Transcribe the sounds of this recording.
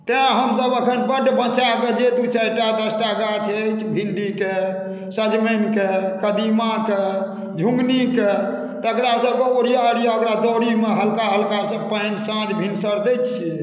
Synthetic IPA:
t̪eãɦəmsəbəkʰənbəɖbə̃t͡ʃaked͡ʒed̪ut͡ʃəʈad̪əsʈaɡat͡ʃʰːt͡ʃʰbʱilɖike | səd͡ʒmenkekəd̪imake | d͡ʒʱũŋɡnike | t̪əkɾasəɡɔoɽijaəɽijaəkɾad̪ɔɽimeɦəlkaɦəlkasə̃pənsãd͡ʒbʱinsəɾd̪ɛt͡ʃʰi

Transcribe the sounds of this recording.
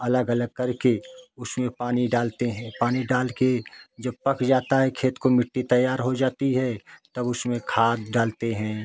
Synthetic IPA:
ɐləɡələɡ̚kɐɾkeʊsmẽpaːniɖaːlt̪eɦɛ̃ːpaːniɖaːlked͡ʒɐb̚pɐkd͡ʒaːt̪aɦɛkʰeːt̪komɪʈːit̪əjːaːɾɦod͡ʒaːt̪iɦɛt̪ɐbʊsmẽkʰaːd̪ɖaːlt̪eɦɛ̃ː

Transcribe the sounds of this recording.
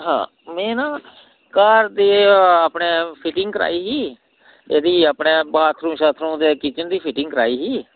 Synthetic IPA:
ɦã̰ː | mẽːnaː | kaːɾd̪eːaːpneːpʰɪʈɪŋɡkəɾa̰ːiːɦiː | eːd̪iːaːpɳeːbaːt̪ʰɾũːʃaːt̪ʰɾũːd̪eːkit͡ʃənd̪iːpʰɪʈɪŋɡkəɾaːiːɦiː

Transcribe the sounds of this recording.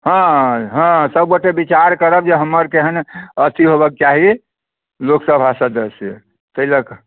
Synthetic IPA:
ɦãɦãsəb̚ɡoʈebit͡ʃaɾkəɾəbd͡ʒeɦəmːəɾkeɦənət̪ʰiɦobək̚t͡ʃaɦi | loksəbʱasə̃d̪əse | t̪əilək

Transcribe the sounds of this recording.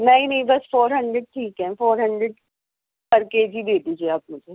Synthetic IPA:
mɛ̃ɦĩnɐɦĩbɐsfoːɾɦɐ̃ɳɖɾeɖ̚ʈʰiːkɦɛ̃foːɾɦɐ̃ɳɖɾeɖ | pɐɾkeːd͡ʒid̪eːd̪iːd͡ʒieaːpmʊd͡ʒʱe

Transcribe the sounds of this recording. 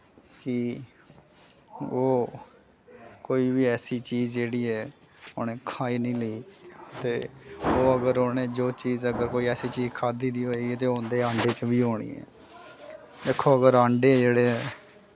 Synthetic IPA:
kɪ | oː | koːiːʋiːɛːsiːt͡ʃiːzd͡ʒeːɽiːɛː | o̰nẽːkʰaːiːnəĩːləiːt̪eːoːəɡəɾoːneːd͡ʒoːt͡ʃiːzəɡəɾkoːiːɛːsiːt͡ʃiːzkʰaːd̪iːd̪iːɦoːeɡiɛːt̪eːɦõːnd̪eːãːɳɖeːt͡ʃʋiːɦoːɽ̃ḭːɛ̰ː | d̪eːkʰːoːəɡəɾaːɳɖeːd͡ʒeːɽeː

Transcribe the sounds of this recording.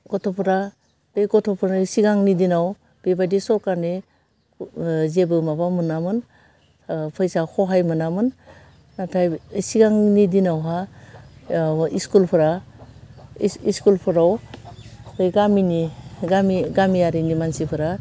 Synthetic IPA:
kɔtʰɔpʰɯɾa | b̥ejkɔtʰɔpʰɔɾsiɡaŋnidinaw | b̥ebajdisɔkaɾne | zebɯmabamɯnamɯn | pʰɯjsakɔɦajmɯnamɯn | natʰajsiɡaŋnidinawɦa | iskulpʰɯɾa | iskulpʰɯɾaw | ɯjɡaminiɡamiɡamijaɾinimansipʰɯɾa

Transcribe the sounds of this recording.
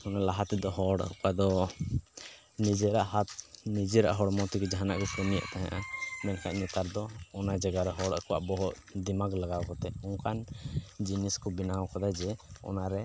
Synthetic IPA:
hɔnalaɦat̪ɛd̪ɔɦɔɽ̰kad̪ɔ | nid͡ʒɛɾa̰ʔɦat̪̚nid͡ʒɛɾa̰ʔɦɔɽmɔt̪ikɛd͡ʒaɦana̰ʔkɔkɔnija̰ʔt̪aɦã̰ʔamɛnkʰa̰ʔɲɛt̪aɾd̪ɔɔnad͡ʒaɡaɾɛɦɔɽakɔwa̰ʔbɔɦɔʔ | d̪imaɡlaɡawkɔt̪ɛɔŋkand͡ʒiniskɔbinawkɔd̪ajd͡ʒɛɔ̰naɾɛ

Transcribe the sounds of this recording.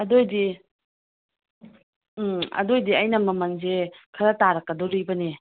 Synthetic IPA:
ɐdojdi | ɐ̰dojdiɐjnɐmɐmɐnzekʰɐɾataɾɐkːɐdɔɾibɐne

